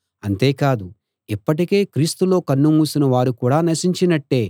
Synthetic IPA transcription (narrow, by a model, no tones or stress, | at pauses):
ɐnt̪e̞ːkaːd̪u | ipːɐʈ̬ike̞ːkɾiːst̪ulo̞ːkɐnːumuːsinɐʋaːɾukuːɽaːnɐʃiɲt͡ʃinɐʈːe̞ː